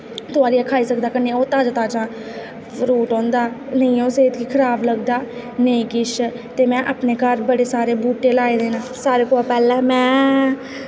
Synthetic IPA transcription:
t̪ʊaːɾiːaːkʰaːiːsəkd̪aːkəneːoːt̪aːd͡ʒaːt̪aːt͡ʃãː | ɾuːʈɔ̃ːnd̪aːnəĩːõːseːt̪kiːkʰəɾaːbləɡd̪aː | nəĩːkɪʃ | t̪eːmɛ̃ːʔaːpneːkəɾbəɽeːsaːɾeːbuːʈːeːlaːeːd̪eːnãːsaːɾeːkoːaːpɛːlɛ̃ːmɛ̃ː

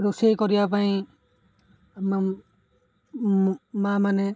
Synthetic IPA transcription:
ɾusekɔɾijapaj̃ | ma | mamanɛ

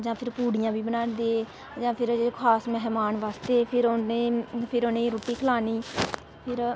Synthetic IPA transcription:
d͡ʒãːpʰɪɾpuːɽɪjãːbiːbənaːnd̪eː | d͡ʒãːpʰɪɾkʰaːsmɛɦmaːnʋaːst̪eːpʰɪɾoneːpʰɪɾonẽːɾoːʈiːkʰəlaːniː | pʰɪɾ

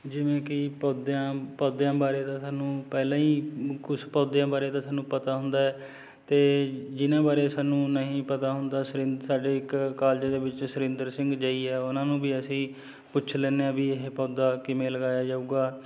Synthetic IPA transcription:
d͡ʒɪʋẽːkɪpɔːd̪ãːpɔːd̪jãːbaːɾeːt̪ãːsaːnũːpɛːlãːiːkʊspɔːd̪jãːbaːɾeːt̪ãːsaːnːũːpət̪aːɦʊnd̪aːɛː | t̪eːd͡ʒɪnãːbaːɾeːsaːnũːnəɦĩːpət̪aːɦʊnd̪aːsɾɪ̃nsaːɖeːɪkkaːld͡ʒaːd̪eːbɪt͡ʃsʊɾɪ̃nd̪əɾsɪ̃ŋɡd͡ʒaːiːɛːʊnãːnũːbiːəsĩː | pʊt͡ʃʰlɛːneːãːbiːɪɦepɔːd̪aːkɪmẽːləɡaːjaːd͡ʒauɡaː

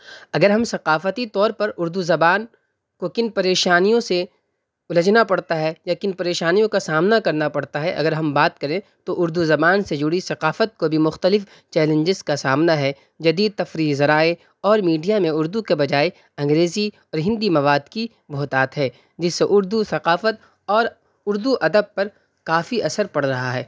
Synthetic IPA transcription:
ɐɡəɾɦɐmsɐqaːfət̪it̪ɔːɾpɐɾʊɾd̪uzɐbaːn | kokɪnpɐɾeːʃaːnijõse | ʊlɐd͡ʒnapɐɽt̪aɦɛjakɪnpɐɾeːʃaːnijõkasaːmnakɐɾnapɐɽt̪aɦɛʔɐ̰ɡəɾɦɐmbaːt̪̚kɐɾẽt̪oʔʊɾd̪uzɐbaːnsed͡ʒʊɽisɐqaːfət̪̚kobʱimʊxt̪əlɪf | t͡ʃɛːlə̃ɲd͡ʒɪzkasaːmnaɦɛ | d͡ʒɐd̪iːd̪̚t̪ɐfɾiːzɐɾaːe | ɔːɾmiːɖijamẽʊɾd̪ukebɐd͡ʒaːe | ɐ̃ŋɡɾeːzi | ɔːɾɦɪ̃nd̪imɐʋaːd̪ki | bʱoːt̪aːt̪ɦɛː | d͡ʒɪsːeʔʊɾd̪usɐqaːfət̪̚ | ɔːɾ | ʊɾd̪uʔɐd̪əb̚pːɐɾ | kaːfiʔɐsəɾpɐɽɾɐɦaɦɛː

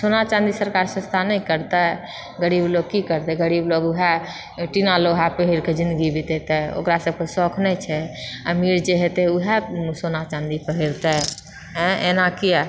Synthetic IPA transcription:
sonat͡ʃãnd̪isəɾkaɾsə̃st̪ʰanɛĩkəɾt̪ɛ | ɡəɾiːbloɡ̚kikəɾt̪ɛɡəɾibloɡuɦɛ | ʈinaloɦapəɦiɾked͡ʒĩnd̪əɡibʱid̪et̪ɛo̰kɾasəb̚kəsɔkʰnɛt͡ʃʰɛə̰miɾd͡ʒeɦet̪ɛuɦɛsonat͡ʃãnd̪ipəɦiɾt̪ɛ | ɦɛ̃enakiɛ

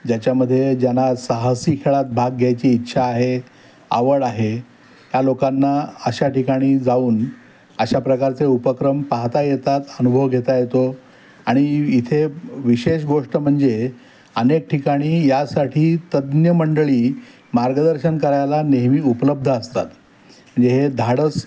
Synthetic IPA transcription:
d͡ʑjat͡ɕjaməd̪ʱːjed͡ʑjanasəɦəsikʰeɭat̪̚bʱaɡːʱjajt͡ɕiːtːɕʰaːɦe | a̰ʋəɽaɦe | jjalokanːaəɕaʈikaɽ̃iːd͡zauːn | əɕapɾəkaɾt͡seupəkɾəmpaɦt̪ajet̪at̪ənubʱəʋɡʱet̪ajet̪o | aɽ̃iit̪ʰeʋiɕeɕɡoʂʈəm̤əɳd͡ze | ənek̚ʈʰikaɽ̃iːjasaʈʰiːt̪əd̪njəməɳɖəɭiː | maɾɡəd̪əɾɕənkəɾajlaneɦmiːupələb̚d̪ʱəəst̪a̰t̪ | m̤əɳd͡zeɦed̪ʱaɽəs

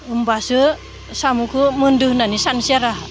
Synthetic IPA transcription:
umbasɯ | samukʰumunduhnanisansiaɾa

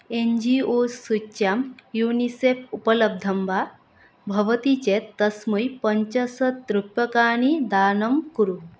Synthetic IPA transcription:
end͡ʑiosuɕjamjunisefupələb̚d̪ʱəmba | bʱɐʋt̪it͡ɕet̪ːəsməjpəɲt͡ɕəsət̪ːɾupəkaɽ̃id̪anəmkuɾu

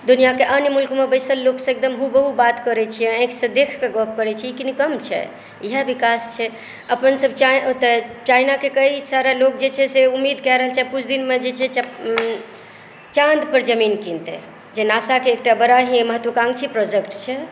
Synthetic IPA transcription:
d̪unijakeʔənəmulkmebəɪsəlːoksə̃ek̚d̪əmɦubəɦubat̪kəɾɛt͡ʃʰieẽksə̃d̪ekʰkeɡɔp̚ʰkəɾɛt͡ʃʰiikinikəmt͡ʃʰɛ̰ | iɦəbikast͡ʃʰɛ | əpənsəb̚t͡ʃat̪ət͡ʃajnakekəisaɾalok̚d͡ʒet͡ʃʰɛseumːid̪kɛɾəɦəlt͡ʃʰɛkut͡ʃʰd̪inmed͡ʒet͡ʃʰɛt͡ʃ | t͡ʃãnd̪pəɾd͡ʒəminkint̪ḛ | d͡ʒenasakeːk̚ʈabəɾaɦiməɦət̪wəkãŋɡt͡ʃʰipɾɔd͡ʒekʈt͡ʃʰɛ

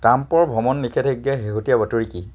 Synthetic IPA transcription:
tampɔɹbʱɔmɔnːikʰɛteɡːɛɦeɦotijabɔtuɹiki

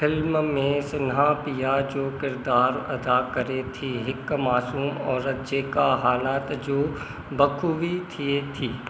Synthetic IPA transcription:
pʰɪlmmẽsɪnɦãpijad͡ʒoːkɪɾd̪aːɾɐ̰d̪akəɾet̪ʰiɦɪkmaːsuːmɔːɾəd͡ʒeːkaɦaːnaːt̪d͡ʒoː | bɐkʰuʋit̪ʰiet̪ʰiː

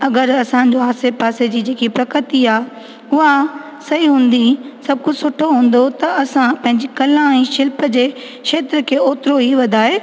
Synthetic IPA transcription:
ɐɡəɾɐsãɲd͡ʑoɦaːsepaːsed͡ʑiːd͡ʑeːkipɾɐkɾət̪iaː | ʊɦa | sɐɦiɦũːnd̪isɐb̚kʊd͡ʑsʊʈʰoɦũːn̆d̪ot̪ɐɐsãpɐ̃ɦɪ̃ɲd͡ʑikɐlãɛ̃ːʃɪlpəd͡ʑeː | kʃeːt̪ɾəkʰeːoːt̪ɪɾoɦiʋɐd̪ʱaːɦeː

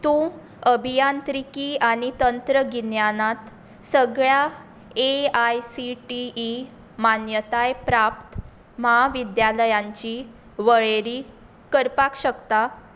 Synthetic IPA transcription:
t̪ũ | əbʱijant̪ɾikiːaɽ̃it̪ənt̪ɾəɡinjanat̪ | səɡɭja | eajsiʈiː | manjət̪ajpɾapt̪ | məɦaʋid̪jaləjãɲt͡ɕi | ʋəɭeɾiː | kəɾpakɕəkt̪a

